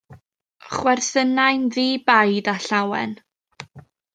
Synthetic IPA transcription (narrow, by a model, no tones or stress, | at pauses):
χwɛrθənajnðiːbajdaɬawɛ̰n